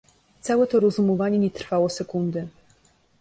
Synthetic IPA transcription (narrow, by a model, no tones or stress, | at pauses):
t̪sawɛt̪ɔɾɔzumɔvaɲɛɲɛt̪ɾfawɔsɛkund̪ɘ